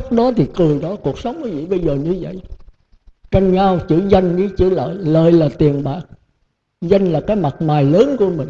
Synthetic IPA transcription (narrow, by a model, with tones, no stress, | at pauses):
k͡p̚ɗɔ˨˦t̪ʰi˨˩kɨ˨˩əjɗɔ˨˦ku˨˩ək̚sə˨˦wŋ͡mki˨˦vḭ˧˨ɓə˧jzəː˨˩ɲɨ˧və̰˧˨j | t͡ɕa˧jŋɲa˧wt͡ɕɨ̰˧˥za˧jŋ̟ɗi˧˦t͡ɕɨ˧˥lə̰ː˧˨˩jləː˧˨jlaː˨˩t̪i˨˩ənɓaː˨˩k̚ | za˧jŋ̟laː˨˩kaː˨˦jma˨˩t̚maː˨˩jləː˨˦nku˧˩əmï˨˩ŋ̟